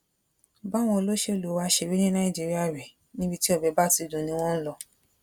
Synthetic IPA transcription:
ba˦˨w̃ɔ̃˧o˧lo˦ʃe˦o˨lu˨˦wa˧˦ʃe˧we˦nĩ˦nã˦ĩ˦˨d͡ʒi˨˦ɾi˦a˦˨ɾɛ˨ | nĩ˦bi˧ti˦ɔ˦˨bɛ˨˧˦ba˦˨ti˨˧˨dũ˨nĩ˧˦w̃ɔ̃˦n̩˦lɔ˦˧

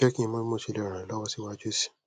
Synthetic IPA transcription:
ɛ˦kĩ˦ĩ˧mõ˦mo˦˨ʃi˨˧˨le˦ɔ˨ɾ̃ã˨lɔ˦wɔ˦si˦wa˦d͡ʒo˦˨si̥˨

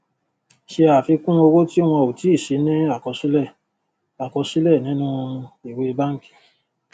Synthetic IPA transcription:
ʃe˧a˨fi˧kũ˦o˧wo˦ti˦w̃ɔ̃˧o˨ti˨˦i˦˨ʃe˨˦nĩ˦a˦˨kɔ˧si˦lɛ˦˨ | a˨kɔ˧si˦lɛ˦˨nĩ˨˦nũ˦i˨we˦˧ba˦ŋ̩˦ki̥˦˨

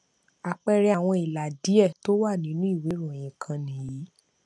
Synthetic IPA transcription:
a˨k͡pɛ˧ɾɛ˧˦a˨w̃ɔ̃˧i˨la˨di˨˦ɛ˦˨to˦wa˦˨nĩ˨˦nũ˦i˦˨we˨˦ɾũ˦˨j̃ĩ˨kʰã˧nĩ˨ji˨˦

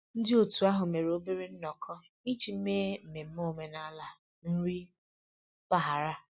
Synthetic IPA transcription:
n̩˦dɪ˦o˨tu˨a˦ɦʊ˨me˨ɾo˦bi˦ɾi˦n̩˦nɔ˨kʰɔ˦ | i˦t͡ʃi˨m̩˦meː˦m̩˨me˨m̩˦mo˦˨me˦na˦la˨ | n̩˦ɾi˦ | pa˨ɦa˨ɾa˦

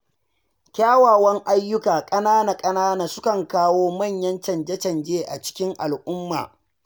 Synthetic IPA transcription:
kʲaː˦waː˨wɐ˦ŋʔa˦jːʊ˦kaː˨kʼɐ˦naː˦na˨kʼɐ˦naː˦naː˨sʊ˦kɐ˨ŋkaː˦woː˦mɐ˦˨ɲjɐ˦nt͡ʃɐ˨nd͡ʒɐ˦t͡ʃɐ˨nd͡ʒeː˦ʔa̰˨t͡ʃɪ̥˦kʲɪ˦ŋʔa˨lʔʊ˦mːa̰ː˨

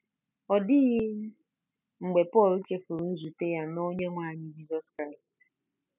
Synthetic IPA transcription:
ɔ˨dɪ˦ɣɪ˦m̩˦ | ŋ͡m̩˨ɡ͡be˨pɔ˦˨li˦t͡ʃe˦fʊ˨ɾu˨n̩˦zu˨te˦ja˦no˦ɲe˦ŋʷa˦˨ɲɪ˦d͡ʒi˦sɔ˦skɾa˦˨ɪ˨st

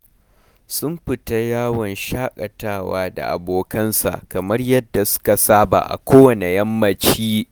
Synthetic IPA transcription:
sʊ˦mɸɪ˨ta˦jaː˦wɔ˨nʃaː˦kʼɐ˨taː˦waː˦da̰˨ʔa̰˨boː˨kɐ˦nsa̰˨ʔkɐ˨mɐ˦rjɐ˦dːa˨sʊ̥˦ka˨saː˦ba̰ː˨ʔa̰˨kʷoː˦wɐ˨ne˨jɐ˦mːɐ˦t͡ʃiː˦

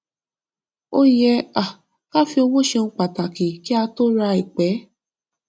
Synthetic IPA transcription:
o˦jɛ˧a˨ | ka˦fi˧o˧wo˦˨ʃe˧ŋ̩˧k͡pa˨ta˨kĩ˨ki˦a˧to˦ɾa˧i˨k͡pɛ˨˦

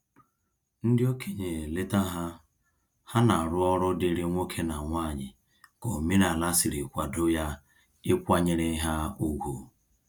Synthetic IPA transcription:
n̩˦dɪ˦o˦kʰe˨ɲe˨le˦ta˦ɦa˦ | ha˦na˨ɾʊ˦ɔ˦ɾʊ˦dɪ˦ɾɪ˦ŋʷo˦kʰe˦na˨ŋʷa˦˨ɲɪ˨ | ko˨mi˦n˦a˨la˦sɪ˨ɾi˨kʷa˨dʊ˦ja˦ | ɪ˦kʷa˦ɲɪ˦ɾe˦ɦa˦u˦ɡʷu˨

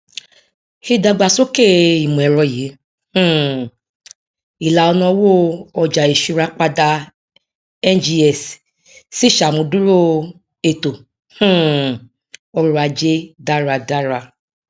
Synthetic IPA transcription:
he˧˦da˧ɡ͡ba˧so˦ke˦i˨mũ˨ɛ˨ɾɔ˧je˨˦ | h̩˦ | i˨la˨ɔ˧nɔ̃˧˦wo˦ɔ˧d͡ʒa˨e˨ʃu˧ɾa˨˦k͡pa˧da˧ | ɛ˦nd͡ʒi˧ɛ˨s | si˦ʃa˨mũ˧˦du˦ɾo˦ | e˧˨to˨ | h̩˦ | ɔ˧ɾo˧a˧d͡ʒe˦da˦ɾa˧da˦ɾa˧

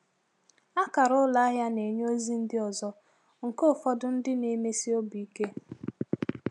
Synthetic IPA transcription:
a˦ka˨ɾʊ˦la˦a˦ɦja˦ne˨ɲo˦zi˦n̩˦dɪ˦ɔ˨zɔ˦ | ŋ̩˨ko˦˨fɔ˦dʊ˦n̩˦dɪ˦ni˦me˦si˦o˦bi˨i˦ke˦

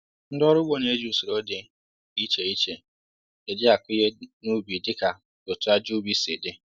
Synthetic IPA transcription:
n̩˦dɔ˦ɾʊ˦ɡ͡bo˦ne˦d͡ʒu˦sɪ˨ɾo˦dɪ˨ | i˦t͡ʃe˨i˦t͡ʃe˨ | e˨dɪ˦a˨kʷʊ˦je˦nu˦bi˨dɪ˦ka˨ | tʊ˨tʊ˨˦a˦d͡ʒu˦bi˦se˨de˦

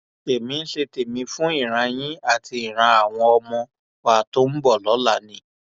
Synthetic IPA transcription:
e˨mĩ˧n̩˦ʃe˧te˨mĩ˧fũ˦i˦˨ɾ̃ã˧j̃ĩ˦a˦˨tʰi˧i˨ɾ̃ã˧a˨w̃ɔ̃˧ɔ˧mɔ̃˧ | wa˨to˦m̩˦bɔ˦˨lɔ˨˦la˦˨nĩ˨˦

